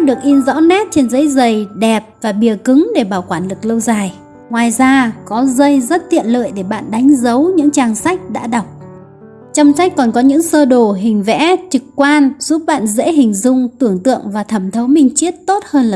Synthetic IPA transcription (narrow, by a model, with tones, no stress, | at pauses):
ɗɨ˨˩ək̚ʔi˧nzɔ̰˧˥wnɛ˦˥t̚t͡ɕe˧nzə˨˦jzə˨˩jɗɛ˨˩p̚vaː˨˩ɓi˨˩əkɨ˨˦ŋɗe˧˩ɓaː˧˩wkwaː˧˩nlɨ˨˩k̚lə˧wzaː˨˩j | ŋwaː˨˩jzaː˧kɔ˨˦zə˧jzə˦˥t̚t̪ḭ˧˨ənlə̰ː˧˨jɗe˧˩ɓa̰ː˧˨nɗa˨˦jŋ̟zə˨˦wɲɨ̰˧˥ŋt͡ɕaː˧ŋsa˦˥jk̟̚ɗa̰ː˧˥ɗa˨˩wk͡p̚ | t͡ɕɔ˧wŋ͡msa˦˥jk̟̚kɔ˨˩nkɔ˨˦ɲɨ̰˧˥ŋsəː˧ɗo˨˩ɦï˨˩ŋ̟vɛ̰˧˥t͡ɕɨ˨˩kkwaː˧nz̥u˦˥p̚ɓa̰ː˧˨nzḛ˧˥ɦï˨˩ŋ̟zʊ˧ŋ͡mt̪ɨ˧˩əŋt̪ɨ̰˧˨əŋvaː˨˩t̪ʰə˧˩mt̪ʰə˨˦wmï˧ŋ̟t͡ɕi˦˥ət̚t̪o˦˥t̚həː˧nlː